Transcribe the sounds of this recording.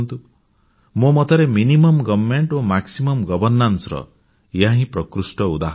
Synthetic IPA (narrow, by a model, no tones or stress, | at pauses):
nt̪u | momɔt̪ʰaɾeminimɔmɡɔbmeɳʈomaksimɔmɡɔbɔɾnansɾɔ̰ | jãɦĩpɾɔkɾusʈɔud̪aɦ